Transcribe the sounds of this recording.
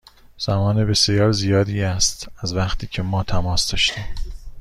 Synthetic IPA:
z̥æmɒːnebe̞sjɒːɾzijɒːd̪iːæst̪æzvæχt̪ʰiːcʰe̞mɒːt̪ʰæmɒːsd̪ɒːʃt̪iːm

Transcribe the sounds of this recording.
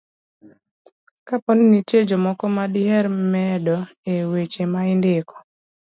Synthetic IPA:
kapɔninited͡ʒɔmɔkɔmadɪɛɾmɛdɔewet͡ʃemaɪndɪkɔ̥

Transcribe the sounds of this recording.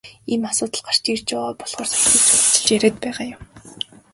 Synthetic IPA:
iːmasʊːt̪ə̆ɮɢar̥t͡ɕiːrt͡ɕʊʁaːpɔɮʁɔːrsʰḁxʲt̪iːkt͡sʰʊt͡sə̆ɮt͡ɕjæɾeːt̪̚pæːʁaːjʊm

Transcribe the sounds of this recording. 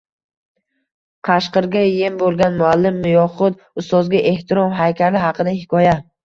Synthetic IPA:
qʰɑʃqɨɾɡʲajembolˠɡʲanmʊalːɪmːʊjɒχʊd̪ | ʊst̪ɒzɡʲaʔe̞ht̪ʰɪɾɒmɦajkʲʰaɾɪɦɑqʰɨd̪ahɪkʰɒja

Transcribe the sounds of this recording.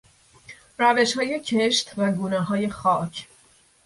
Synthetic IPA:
ɾæve̞ʃhɒːje̞cʰeʃt̪ʰvæɡuːnɛɦɒːje̞xɒːcʰ

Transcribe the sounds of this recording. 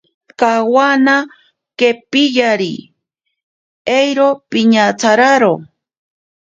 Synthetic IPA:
kawana | kepijaɾḭ | ejɾopiɲat͡saɾaɾo

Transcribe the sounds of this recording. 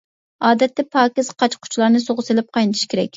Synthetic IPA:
ɑːd̪ɛt̪ːɛpʰɑːkʲɪz̥qʰɑt͡ʃqʰʊ̥t͡ʃʰlˠɑɾnɨsoʁʊselɪp̚qʰɑjnɨt̪ʰiʃkʲeɾɛ̰kʲ

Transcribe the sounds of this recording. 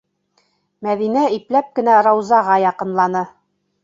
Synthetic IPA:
mæðinæiplæp̚kɘ̆næɾɑwzɑʁɑjɑqɤ̆nlˠɑnɤ

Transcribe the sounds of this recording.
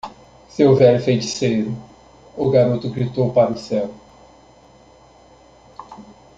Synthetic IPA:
sewvɛlʊfejt͡ʃi̥sejɾʊ | ʊɡaɾot̪ʊɡɾit̪owpaɾʊsɛw

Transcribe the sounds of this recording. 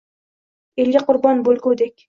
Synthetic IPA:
elɡʲaqʰʊɾbɒnbolˠkʲod̪ekʲ

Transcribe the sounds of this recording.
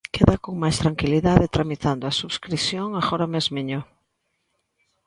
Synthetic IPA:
keðakoŋmajst̪ɾaŋkiliðaðet̪ɾamit̪and̪oasuβskɾisjoŋaɣoɾamezmeɲo

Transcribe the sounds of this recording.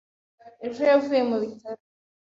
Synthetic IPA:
eʒojavuje̞muβitaɾo

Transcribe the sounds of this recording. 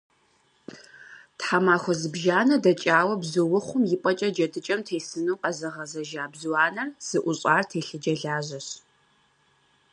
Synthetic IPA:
tħamaːxʷɔzɨbʒaːnɐdɐt͡ʃʼaːwɐbzɨwʊχʷʊmjɪpʼɐt͡ʃʼɐd͡ʒɐdɨt͡ʃʼɐmtʰeːsɨnuːqɐzɨʁɐzɐʒaːbzwaːnɐrz̥ɨʔʷʊɕʼaːrtʰeːɬɨd͡ʒɐɮaːʑɐɕ

